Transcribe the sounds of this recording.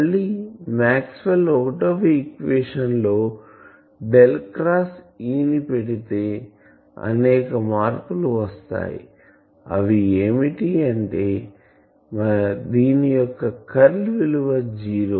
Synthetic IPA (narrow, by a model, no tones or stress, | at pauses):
ɐɭːimaːkspɐloːʈoʋikʋeːʂɐnlo̞ː | ɖelkɾaːs | iːnipeɽit̪e̞ː | ɐ̰nɛːkɐmaːɾkuluʋɐst̪a̰ːjḭ | ɐʋieːmiʈiɐɳʈe̞ː | mɐd̪iːnijɔkːɐkɐɾlʋiluʋɐd͡ʒiːɾoː